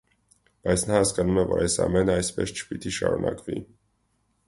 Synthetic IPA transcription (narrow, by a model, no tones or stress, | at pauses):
b̥ɑjt͡sʰnɑhɑskɑnumɛvɔɾɑjsɑmɛnəɑjspɛ̰st͡ʃʰə̥pit̪iʃɑɾunʔɑkvi